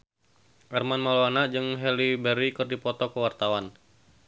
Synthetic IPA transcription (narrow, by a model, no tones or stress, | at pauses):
ʔɛrmanmaloanaʔd͡ʒɨŋɦɛlibəɾikərdipɔt̪ɔkəwart̪awan